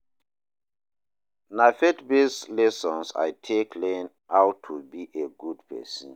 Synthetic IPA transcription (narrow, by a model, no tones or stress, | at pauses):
naɪfetbeslɛsɔ̃nsa̰jtʰeklẽn | awtʰubiʔeɡudpʰɛ̰sɔ̃n